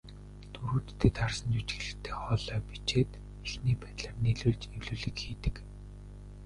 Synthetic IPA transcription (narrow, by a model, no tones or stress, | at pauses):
t̪ʰuɾuːt̪t̪ʰːeːt̪arsə̆nt͡ɕuwt͡ɕɡeɮɘ̆xt̪ʰeːχɔɮœːpit͡ɕeːt̪ | exniːpæːt̪ɮaːrneɮuːɮt͡ɕewɮuːɮɘ̆kxiːt̪ɘ̆k